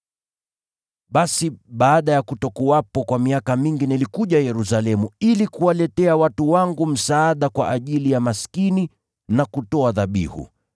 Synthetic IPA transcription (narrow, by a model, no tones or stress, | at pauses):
ɓasiɓaːɗajakutɔkuwapɔkwamiakamiŋɡinilikuʄajɛɾusalɛmuilikuwalɛtɛawatuwaŋɡum̩saːɗakwa̰ʔaʄilijamaskini | nakutɔaðaɓḭhṵ